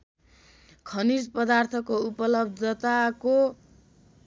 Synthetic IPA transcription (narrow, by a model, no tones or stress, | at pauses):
kʰʌnid͡zpʌd̪art̪ʰʌkoupʌlʌbd̪ʱʌt̪ako